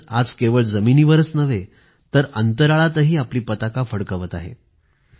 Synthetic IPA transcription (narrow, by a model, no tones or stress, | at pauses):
ad͡zkeʋəɭd͡zəminiːʋəɾət͡snəʋe | t̪əɾənt̪əɾaɭat̪əɦiːapliːpət̪akafəɽkəʋət̪aɦḛ